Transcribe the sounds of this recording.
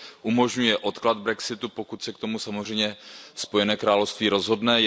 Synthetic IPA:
ʔumo̞ʒɲujɛʔo̞t̪klad̪bɾɛksɪt̪upo̞kut̪sɛkt̪o̞musamor̝ɛjɲɛspo̞jɛnɛːkɾaːlofst̪viːɾo̞zɦo̞dnɛ

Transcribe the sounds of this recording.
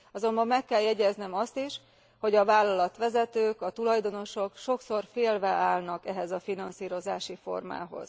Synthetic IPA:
ɒzo̞mbɒmːɛkːɛljɛɟɛznɛmɒst̪iʃ | ho̞ɟɒvaːlːɒlɒt̪ʋɛzɛt̪øːkɒt̪ulɒjd̪o̞no̞ʃo̞kʃo̞kso̞rfeːlvɛaːlnɒkɛɦɛzɒfinɒnsiːɾo̞zaːʃifo̞̰rma̰ːɦo̞̰z̥

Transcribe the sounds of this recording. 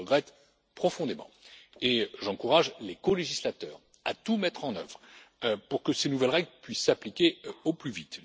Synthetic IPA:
əɡʁɛt̪ | pχɔfɔ̃d̪emɑ̰̃eʒɑ̃kuʁaʒlekɔleʒislat̪œːʁ | a̰t̪umɛt̪χɑ̃nœ̰vʁpuʁkəsenuvɛlʁɛɡlpɥisːaplikʲeoplyvit̪

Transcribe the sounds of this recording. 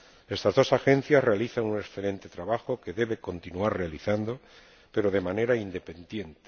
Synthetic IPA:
e̞st̪azðo̞saxe̞n̟θjazre̞aliθaŋuneksθele̞nt̪et̪ɾaβaxoke̞ðe̞βe̞ko̞nt̪inuaɾre̞aliθand̪o̞ | pe̞ɾo̞ðe̞mane̞ɾaind̪e̞pe̞nd̪je̞nt̪

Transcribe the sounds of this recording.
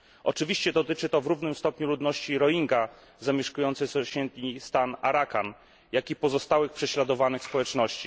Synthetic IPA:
ʔɔ̰t͡ʂɘvʲiɕt͡ɕɛd̪ɔt̪ɘt͡ʂɘt̪ɔvɾuvnɘmst̪ɔpɲulud̪nɔɕt͡ɕiɾɔiŋɡa | zamʲjɛʂkujɔnt̪sɛsɔɕɛnt̪ɲist̪ana̰ɾakan | jakʲipɔzɔst̪awɘxpʂɛɕlad̪ɔvanɘxspɔwɛt͡ʂnɔɕt͡ɕi

